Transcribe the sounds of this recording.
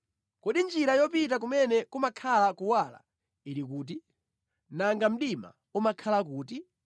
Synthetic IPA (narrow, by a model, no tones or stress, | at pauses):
kɔɗind͡ʒiɾajɔpitak̬umɛnɛkumakʰalakuwala̰ | iɾik̬uːt̬i | naŋɡam̩ɗima̰ | umakʰalak̬uːti